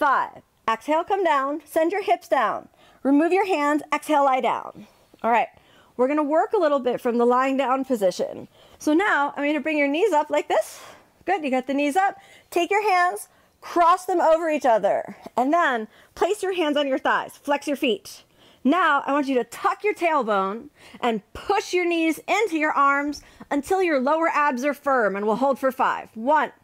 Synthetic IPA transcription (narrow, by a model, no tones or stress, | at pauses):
faɪv | ɛksheɪlˠkʰʌ̃mdãʊ̃nsɛ̃nd͡ʒjə˞hɪpsd̥ãʊ̃n | ɹimʉvjə˞ɦæ̃ndzɛkshɛlˠlaɪdã̰ʊ̃n | ʔɔlˠɹaɪt̚ | wɪɹɡʌñəwɜ˞kəlɪɾl̩ˠbɪtfɹʌ̃mðəlaɪɪ̃ŋdãʊ̃npʰɨzɪʃɨ̰̃n | soʊnaʊã̰ɪmĩɾɨbɹɪ̃ŋjə˞nizʌplaɪk̚ðɪs | ɡ̥ʊdjɨɡʌt̪̚ðɨnizʌp̚ | tʰeɪkjə˞ɦæ̃ndz̥ | kʰɹ̥ɔsðə̃moʊvə˞it͡ʃʌðə̰˞ɨ̃nðə̃n | pʰl̥eɪsjə˞ɦæ̃ndz̃n̩jə˞θaɪz̥flɛksjə˞fit | naʊʔa̰ɪwɑ̃nt͡ʃɨɾɨtʰʌkjə˞tʰeɪlˠbõʊ̃nʔɨ̃npʰʊʃjə˞nizɪ̃ntʉjə˞ʔɑɹmz | ɨ̃ntʰɪlˠjə˞loʊə˞ʔæbzə˞fɜ̃˞mɨ̃nwɪlˠɦoʊlˠd̥fə˞faɪv̥wʌ̃n